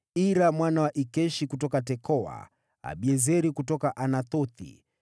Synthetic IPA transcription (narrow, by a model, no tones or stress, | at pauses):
iɾamwanawaʔikɛʃikutɔkatɛkɔwa̰ | a̰ɓiɛzɛɾikutɔkaʔanaθɔθḭ